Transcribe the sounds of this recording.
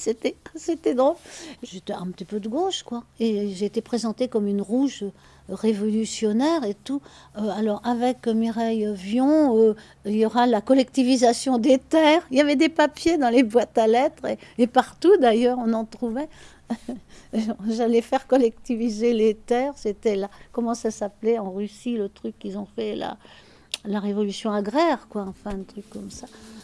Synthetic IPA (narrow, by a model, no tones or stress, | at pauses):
set̪ɛset̪ɛd̪ʁolʒet̪ɛɛ̰̃pət̪ipød̪əɡoʃkwaeʒeːt̪epχezɑ̃t̪ekɔmynʁuʒø | ʁevɔlysjɔnɛʁet̪u | øalɔʁavɛkmiʁɛjøvjɔ̃ø | iljɔʁalakɔlɛk̚t̪ivizasjɔ̃d̪et̪ɛːʁiljavɛd̪epapjed̪ɑ̃lebwat̪alɛt̪χeːpaʁt̪ud̪ajœʁɔ̃nɑ̃t̪χuvɛ | ɔ̃ʒalɛfɛʁkɔlɛk̚t̪ivizelet̪ɛːʁset̪ɛlakɔmɑ̃sasaplɛɑ̃ʁysilət̪χykːilzɔ̃fɛla̰ | laʁevɔlysjɔ̃aɡʁɛʁkwaɑ̃fɛ̃ɛ̃t̪χykːɔmsa